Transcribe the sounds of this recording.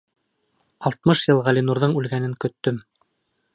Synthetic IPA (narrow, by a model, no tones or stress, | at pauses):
ɑlˠt̪̚mɤʃjɤlˠʁɑlʲinuɾðɤɴʉlɡænɘŋkɵ̆t̪ːɵm